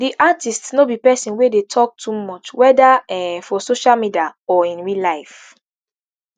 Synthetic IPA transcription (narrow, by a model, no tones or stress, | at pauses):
diʔatistsnobipɛsĩnwedetʰɔk̚tʰumɔt͡ʃwɛdaɛfɔsoʃalmidiaɔĩnɹilaɪf